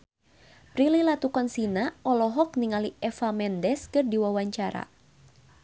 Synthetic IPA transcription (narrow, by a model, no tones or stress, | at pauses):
pɾililat̪ukɔnsinaɔlɔɦɔk̚niŋaliɛfamɛndɛskɨrdiwawaɲt͡ʃaɾa̰